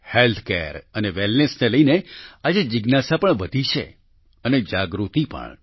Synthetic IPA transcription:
helt̪ʰkḛɾəneʋɛlnesneləinead͡ʒed͡ʒɪɡnasapəɳʋəd̪ʱit͡ʃʰḛ | əned͡ʒaɡɾut̪ipə̰ɳ

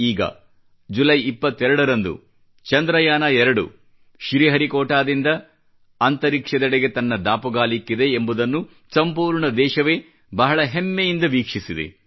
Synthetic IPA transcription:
iːɡɐ̰ | d͡ʒulɐjipːɐt̪ːɛɾɐɽɐɾɐnd̪ṵ | t͡ʃɐnd̪ɾɐjaːnɐɛɾɐɽṵ | ʃɾiɦɐɾikɔːʈaːd̪ind̪ɐː | nt̪ɐɾikʂɐd̪ɐɽeɡe̞t̪ɐnːɐd̪aːpuɡaːlikːid̪e̞ːmbud̪ɐnːu | sɐmpuːɾɳɐd̪ɛːʃɐʋe̞ː | bɐɦɐɭɐɦemːejind̪ɐʋiːkʂisid̪ḛ

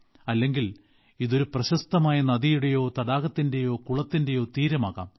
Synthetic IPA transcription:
ɐlːe̞ŋɡil | iðo̞ɾuprɐɕɐst̪ɐmaːjɐnɐðijuɽe̞jo̞ːt̪ɐɽaːɣɐt̪ːinde̞jo̞ːkuɭɐt̪ːinde̞jo̞ːt̪iːɾɐmaːɣa̰ːm

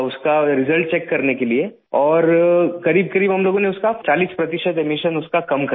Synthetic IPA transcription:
ʊskaɾɪzəlʈ̚t͡ʃeːkːɐɾnekelie | ɔːɾkɐɾiːb̚kɐɾiːbɦɐmloːɡõneʊskat͡ʃaːliːspɾɐt̪ɪʃət̪emiʃənʊskakɐmkɐ

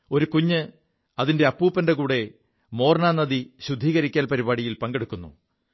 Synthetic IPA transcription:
o̞ɾukuɲːɨ | ɐðinde̞ɐpːuːpːɐndekuːɽe̞ | mo̞ːrnaːnːɐðiɕud̪ʱːiːɣɐɾikʲːaːnpɐɾiβaːɽijilpɐŋɡeɽukːunːṵ

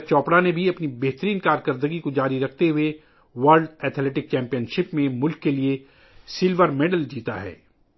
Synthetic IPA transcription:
t͡ʃɔːpɽanebʱiɐpnibɛɦt̪əɾiːnkaːɾkəɾd̪əɡikod͡ʒaːɾiɾɐk̚ʰt̪eɦʊe | ʋəɾlɖɛːt̪ʰleːʈɪk̚t͡ʃɛ̃ːmpijənʃɪpmẽmʊlkːelie | sɪlʋəɾmeːɖəld͡ʒiːt̪a̰ɦɛ̰ː

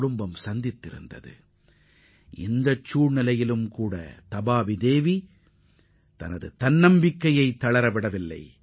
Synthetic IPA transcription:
ɽʊmbɐmsɐnd̪ɪt̪ːɪɾɯ̰nd̪ɐ̰ðɯ̰ | ʔɪnd̪ɐt͡ʃːuːɻnɪlɐjɪlɯmkuːɽɐ̰t̪ɐbaːʋid̪eːʋi | t̪ɐ̰nɐðɯt̪ɐnnɐmbɪkːɐjɐɪt̪ːɐɭɐɾɐʋɪɽɐʋɪlːɐ̰ɪ

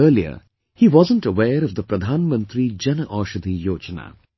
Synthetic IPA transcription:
əːliə̰ | hiːʋɔzə̃nʈəwɛːɾɔvd̪əpɾəd̪ʱãːnmə̃nt̪ɾid͡ʒɛnəʔɔːʃəd̪ijoːt͡ʃəna̰ː

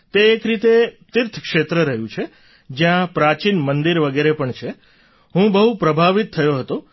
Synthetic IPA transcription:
t̪eːkɾit̪et̪iɾt̪ʰkʃet̪ɾəɾəɦjũt͡ʃʰe | d͡ʒjãpɾat͡ʃinmənd̪iɾʋəɡeɾepəɳt͡ʃʰe | ɦũbəɦupɾəbʱaʋit̪ʰːəjoɦət̪o

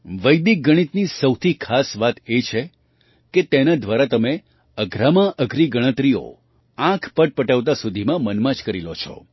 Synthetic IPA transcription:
ʋəjd̪ik̚ɡəɽ̃it̪nisəwt̪ʰikʰasʋat̪et͡ʃʰe | ket̪enad̪ʋaɾat̪əme | əɡʱɾamãʔəɡʱɾiɡəɽ̃ə̃t̪ɾio̰ | ãkʰpəʈ̚pəʈəʋt̪̬asud̪ʱimãmənmãt͡ʃkəɾilot͡ʃʰɔ̰

